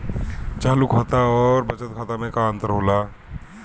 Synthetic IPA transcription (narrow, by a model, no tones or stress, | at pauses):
t͡ʃaːlukʰat̪aɔːɾbɐt͡ʃət̪̚kʰaːt̪amẽkaə̃nt̪əɾɦoːla